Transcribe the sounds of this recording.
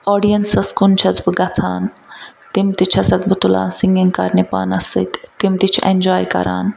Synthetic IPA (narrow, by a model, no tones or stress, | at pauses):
ɔːɖijɐnsɐskunt͡ʃʰɐt͡sbɨɡɐt͡sʰaːnt̪imt̪it͡ʃʰɐsɐt̪̚bʱut̪ula̰ːnsiŋɡiŋkaɾnepa̰ːnɐsḭt̪t̪imt̪it͡ʃʰend͡ʒaːjkɐ̰ɾa̰ːn